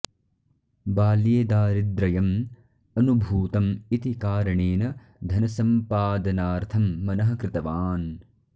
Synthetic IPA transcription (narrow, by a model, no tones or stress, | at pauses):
baːljeːd̪aːɾid̪ɾɐjɐm | ɐnubʱuːt̪ɐmit̪ikaːɾɐɳeːnɐ | d̪ʱɐnɐsɐmpaːd̪ɐnaːɾt̪ʰɐmːɐnɐɦɐkɾɪt̪ɐʋaːn